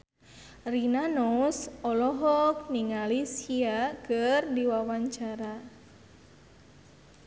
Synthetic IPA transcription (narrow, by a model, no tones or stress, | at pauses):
rinanɔsɔlɔɦɔk̚niŋalisiakɨrdiwawaɲt͡ʃaɾa